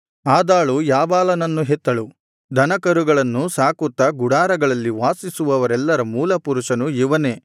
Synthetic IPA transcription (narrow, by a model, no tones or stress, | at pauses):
aːd̪aːɭujaːbaːlɐnɐnːuɦɛt̪ːɐɭu | d̪ʱɐnɐkɐɾuɡɐɭɐnːusaːkut̪ːɐɡuɽaːɾɐɡɐɭɐlːiʋaːsisuʋɐʋɐɾɛlːɐɾɐmuːlɐpuɾuʂɐnuiʋɐneː